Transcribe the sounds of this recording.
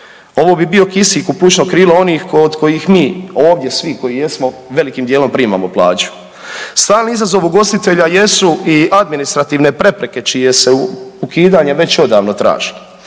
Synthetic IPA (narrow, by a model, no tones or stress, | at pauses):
o̞ʋoːbibio̞kisiːkuput͡ʃnokɾiːloo̞niːxkod̪ko̞jixmiːo̞ːʋd̪je̞sʋiko̞jije̞smo̞ʋe̞likiːmd̪jeːlo̞mpɾiːma̰moplˠa̰ːt͡ʃu̥ | st̪aːlniizazo̞ʋuɡo̞st̪it̪e̞ʎaje̞suʔiad̪minist̪ɾat̪iːʋne̞pɾe̞pɾe̞ke̞t͡ʃije̞seukiːd̪aːɲeʋe̞t͡ɕo̞d̪aːʋno̞t̪ɾa̰ːʒilo